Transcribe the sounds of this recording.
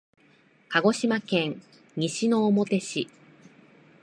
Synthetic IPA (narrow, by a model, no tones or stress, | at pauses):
kaɡo̞ɕimakẽ̞ŋ | ɲiɕino̞ːmo̞t̪e̞ɕi